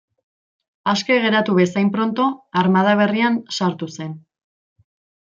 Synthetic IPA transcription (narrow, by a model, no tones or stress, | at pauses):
aske̞ɣ̞e̞ɾat̪uβe̞sajmpɾo̞nt̪o̞aɾmað̞aβ̞e̞riansaɾt̪use̞n